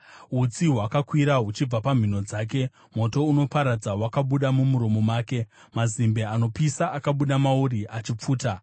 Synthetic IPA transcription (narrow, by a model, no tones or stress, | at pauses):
ɦut͡siɦwakakwiɾaɦut͡ʃib͡vapam̤ino̞d͡zaːk̬e̞ | mo̞to̞uno̞paɾad͡zawakaɓuɗamumuɾomomaːke̞ | mazimbe̞ano̞pisaʔakaɓuɗamauɾiʔat͡ʃip͡fuːta